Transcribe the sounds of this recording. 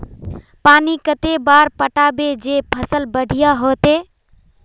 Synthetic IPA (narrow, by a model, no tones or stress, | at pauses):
panikət̪ebaɾpəʈabed͡ʒepʰəsəlbəɽ̤ʱijaɦot̪e